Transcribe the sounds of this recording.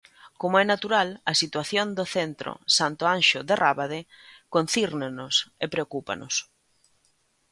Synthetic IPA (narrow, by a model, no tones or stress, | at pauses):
komoɛnat̪uɾalɐsit̪waθjond̪oθent̪ɾo̰sant̪oanʃʊðerʔaβaðe | kon̟θiɾnenʊsepɾeokupa̰nʊ̰s